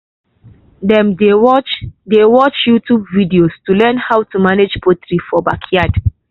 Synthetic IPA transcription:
dɛ̃mdewɔt͡ʃdewɔt͡ʃjutubvidiostulɛ̃nhawtumaned͡ʒpotɹifɔbakʰjad

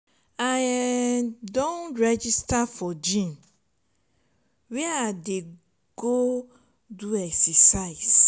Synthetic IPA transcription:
aj | dõnɹɛd͡ʒistafɔd͡ʒĩn | wɛade | ɡ̥o | duɛksɛsaɪs

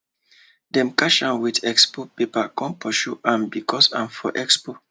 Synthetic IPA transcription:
dɛ̃mkaʃãnwidɛkspopepakɔ̃npɔʃuʔãnbikɔsãnfɔ̰ʔɛkspo

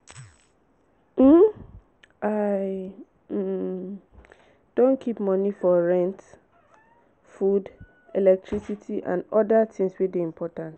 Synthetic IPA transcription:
m̩ | a | d̥õnkʰipmɔ̃nifɔɹɛ̃nt | fud | elɛk̚tʰɹisitʰiʔã̰nɔdatʰɪ̃ŋswedeĩmpʰɔtãnt

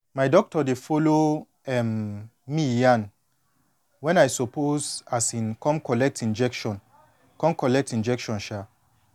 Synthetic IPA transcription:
majdɔk̚tɔdefɔlo | ɛmmijãn | wɛ̃najsɔpozasĩnkɔ̃mkɔlɛk̚tĩnd͡ʒɛkʃɔ̃n | kɔ̃mkɔlɛk̚tĩnd͡ʒɛkʃɔ̃nʃa

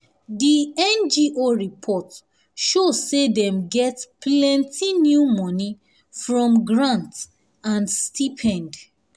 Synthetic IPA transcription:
diɛ̃nd͡ʒiʔoɹipʰɔt | ʃosedɛ̃mɡɛtplɛ̃ntʰinjumɔ̃ni | fɹɔ̃mɡɹãnt | ãnstʰipʰɛ̃nd

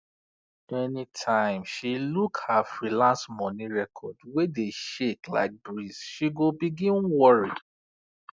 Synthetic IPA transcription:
ɛnĩtʰãɪ̃mʃilukhafɹilãnsmɔ̃nĩɹɛkʰɔdwedeʃekla̰ɪk̚bɹisʃiɡobiɡĩnwɔɹi

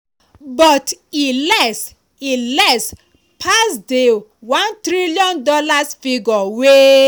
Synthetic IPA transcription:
bɔtilɛs | ilɛs | pʰasdewãntɾiliɔ̃ndɔlasfiɡɔwe

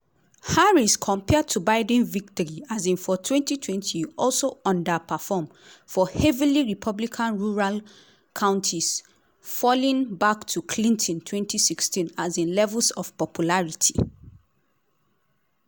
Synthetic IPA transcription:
haɹiskʰɔ̃mpʰɛd̚tʰubaɪdɛ̃nvik̚tɔɹiazĩnfɔtʰwɛ̃ntitʰwɛ̃ntʰiɔlsoɔ̃ndəpʰəfɔm | fɔhɛviliɹipʰɔblikʰãnɹuɹal | kʰãʊ̃ntʰis | fɔlĩnbaktʰukʰlĩntʰɔ̃ntʰwɛ̃ntʰisikstĩnazĩnlɛvəlsɔv̥pɔpʰjulaɹitʰi

